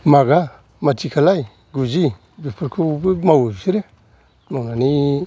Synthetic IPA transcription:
maɡa | matikalai | ɡud͡ʒi | bipuɾkubumawuiɾe | manani

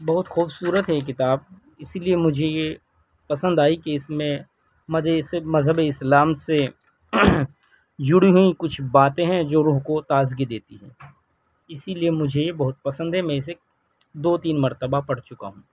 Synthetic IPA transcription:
bɐɦʊt̪xuːbsuːɾət̪ɦɛk̬ɪt̪aːb̚ | ɪsiliemʊd͡ʒʱeje | pɐsə̃nd̪aːikeɪsmẽ | mɐzesmɐzɦəbeɪslaːmse | d͡ʒʊɽiɦʊikʊt͡ʃʰbaːt̪ẽɦɛ̃d͡ʒoːɾuːɦkot̪aːzɡid̪eːt̪iɦɛ̰̃ː | ɪsiliemʊd͡ʒʱejebɐɦʊt̪̚pɐsə̃nd̪ɦɛmɛ̃ɪs̬e | d̪oːt̪iːnmɐɾt̪əbapɐɽt͡ʃʊka̰ɦũː

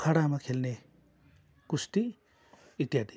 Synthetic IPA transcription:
kʰaɽamakʰelne | kust̪i | it̪jad̪i

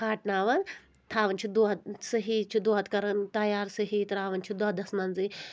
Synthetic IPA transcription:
kaːʈnaːʋɐn | t̪ʰaːʋɐnʲt͡ʃʰid̪uɐsɐɦiːt͡ʃʰid̪uːɦɐt̪kɐɾɐnt̪ɐjaːɾsɐɦiːt̪ɾaːʋɐnt͡ʃʰid̪uɦɐd̪ɐsmɐnzi

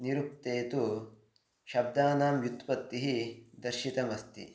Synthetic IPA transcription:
niɾup̚t̪eːt̪u | ʃɐb̚d̪aːnaːmjut̪pɐt̪ːiɦid̪ɐɾʃit̪ɐmɐst̪ḭ

